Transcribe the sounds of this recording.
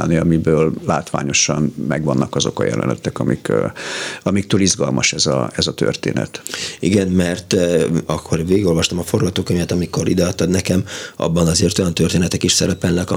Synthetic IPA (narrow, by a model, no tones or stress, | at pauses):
lniɒmibøːllaːt̪ʋa̰ːɲo̞ʃɒnmɛɡʋɒnːʔɒkɒzo̞kɒjɛ̰lɛ̰nɛt̪ɛkɒmik | ɒmik̚t̪øːlizɡɒlmɒʃɛzɒ̰ɛzɒt̪ø̰rt̪ḛːnɛ̰t̪ḭɡɛnmɛrt̪ɒkʰːo̞rʋeːɡiɡo̞lʋɒʃt̪ɒmɒfo̞rɡɒt̪oːkøɲvɛt̪ɒmiko̞ɾḭd̪ɛɒt̪ːɒd̪nɛkɛmɒ̰bːɒnɒzeːrt̪o̞jɒnt̪ørt̪eːnɛt̪ɛkiʃsɛɾɛpɛlnɛkɒ